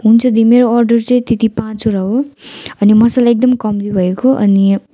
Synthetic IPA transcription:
ɦunt͡sʰʌd̪ʱimeɾoʌrɖʌrt͡sʌĩt̪et̪ipãt͡soɾʌɦoʌnimʌsalaek̚d̪ʌmkʌmlibʱʌekoʔʌ̰ni

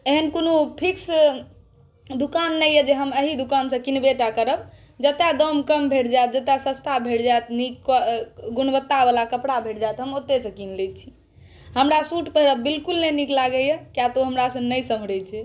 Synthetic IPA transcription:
eɦənkonopʰiks | d̪ukanːəjəd͡ʒeɦəməɦid̪ukansə̃kinbeʈakəɾəb̚ | d͡ʒət̪ad̪əmkəmbʱeɽd͡ʒajt̪̚d͡ʒət̪jasə̃st̪ʰabʱeɽd͡ʒajt̪nik | ɡunbət̪ːabalakəpɽabʱeɽd͡ʒajt̪ɦəmot̪ːesə̃kinlet͡ʃʰi | ɦəmɾasuʈpeɾəbbilkulnəniklaɡəjəkjat̪oɦəmɾasə̃nəjsəɦɽɛt͡ʃʰɛ

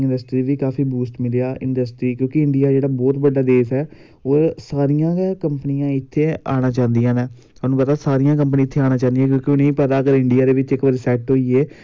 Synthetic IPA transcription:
ɪnɖəsʈɾiːʋiːkaːfʰiːbuːsʈmɪleaːɪɳɖəsʈɾiːkjõːkɪɪɳɖɪjaːd͡ʒeːɽaːbɔːt̪bəɖːaːd̪eːsɛː | oːɾsaːɾijãːkəmpəniːãːɪt̪ʰːeːaːɽ̃aːt͡ʃãːnd̪ijãːnɛː | anũːpət̪aːsaːɾijãːk̬əmpənĩːɪt̪ʰːeːaːñaːt͡ʃãːnd̪ijãːkjõːkɪoːnə̃ĩːpət̪aːkəɾɪɳɖɪjaːd̪eːʋɪt͡ʃɪkʋəːɾsɛːʈɦoːiːeː

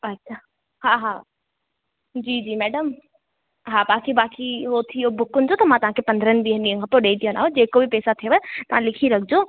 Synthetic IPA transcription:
ɐtːɕʰaː | ɦaːɦa | d͡ʑiːd͡ʑiːmɛːɖəm | ɦaːbaːkibaːkiɦot̪ʰiobʊkʊnɪ̆d͡ʑot̪ɐmãt̪ɐʋ̤ãkʰepɐ̃nd̪ʱəɾənɪ̆d̪iːɦəɗĩːə̃kʰãpoɗeːit̪ijõna̰ːɦõd͡ʑeːkobɪpɛːsat̪ʰijoʋəet̪ɐʋ̤ãlɪkʰiɾɐɡʰʱɪd͡ʑoː

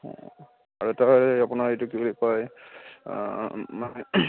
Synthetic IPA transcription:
ɔ̰ | aɹuɛtaɦɔjapʊnaɹejtuk̬ibulipaj | manɛ

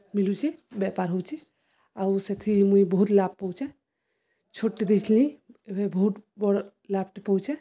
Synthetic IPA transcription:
milut͡ʃʰibjapaɾɦowt͡ʃʰi | auset̪ʰimuibəɦut̪lab̚pɔwt͡ʃɛ | t͡ʃʰoʈːid̪it͡ʃʰlĩebebəɦut̪bɔɽ | lab̚ʈipəwt͡ʃʰɛ

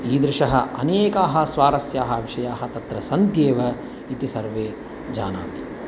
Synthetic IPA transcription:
iːd̪ɾɪʃɐɦɐɐneːkaːɦɐ̆sʋaːɾɐsjaːɦɐʋiʂɐjaːɦɐt̪ɐt̪ɾɐsɐnd̪jeːʋɐ | it̪isɐɾʋeː | d͡ʒaːna̰ːt̪i

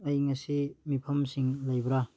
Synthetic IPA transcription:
ɐjŋɐsimipʰɐmsiŋlɐjbɾa

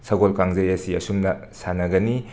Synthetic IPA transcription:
sʰɐɡolkaŋzɐjɐsiɐ̰sumnɐ | sanɐɡɐni

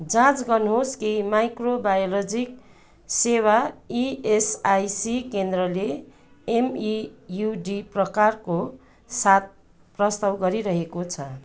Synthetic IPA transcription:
d͡zãt͡sɡʌnɦoskemajkrobajolod͡zik | sewaiesajsikend̪rʌle | emijuɖiprʌkarko | sat̪̚ | prʌst̪awɡʌɾiɾʌɦekot͡sʰʌ

